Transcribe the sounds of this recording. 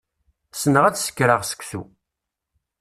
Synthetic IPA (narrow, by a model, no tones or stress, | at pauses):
sənəʁæt͡ssə̥kːɾəʁsə̥kʷsṵ